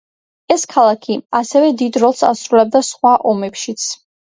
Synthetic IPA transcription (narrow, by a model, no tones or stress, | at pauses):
ɛskʰalˠakʰiasɛvɛd̪id̪ɾɔlˠsa̰sɾulɛb̚d̪asχwaʔɔmɛpʃit̪sʰ